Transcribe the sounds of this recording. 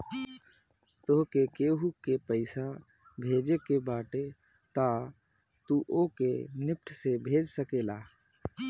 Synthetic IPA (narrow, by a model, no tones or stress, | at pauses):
t̪oɦkekeːɦukepəɪsa | bʱeːd͡ʒekebaːʈe | t̪a | t̪uʔokenɪp̚ʈʰsebʱeːd͡ʒsəkeːlaː